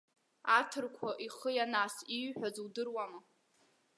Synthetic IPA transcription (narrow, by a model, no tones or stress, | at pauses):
atʰɨrkʷʰaʔiχəjanasiɥħʷᶣazwdɨrwamɨ